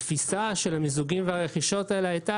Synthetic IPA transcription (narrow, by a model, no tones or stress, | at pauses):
fisaʃe̞lhamizuɡimveaʁe̞χiʃo̞taeleajt̪a